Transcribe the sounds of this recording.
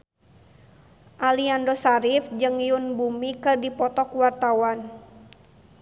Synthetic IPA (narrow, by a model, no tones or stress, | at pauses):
ʔaliandosaɾifd͡ʒɨŋjunbumikɨrdipɔt̪ɔkuwart̪awan